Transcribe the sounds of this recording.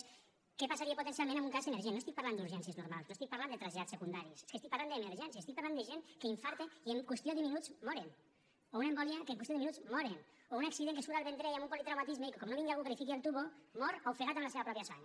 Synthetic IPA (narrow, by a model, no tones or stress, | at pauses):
kepasaɾieput̪ens̬ialmẽnə̃mbuŋkazemeɾʒienost̪ik̚paɾland̪uɾʒɛnsieznuɾmalˠsnost̪ik̚paɾland̪ət̪ɾaʒeat͡ssekund̪aɾise̥skest̪ikpaɾland̪emeɾʒɛnsieːst̪ik̚paɾland̪əʒenkeiɱfaɾt̪eieŋkwest̪ioðəminuzmɔɾen | ounembɔliakeŋkwest̪joiminud͡zmɔɾen | ounaksiðeŋkesuɾalˠβent̪ɾejambumpolit̪ɾawmat̪izmeikekɔmnoβiŋɡaɣukɾifik̬ialˠt̪uβomɔɾowfeɣat̪əmlaseβapɾɔpjasa̰ɲ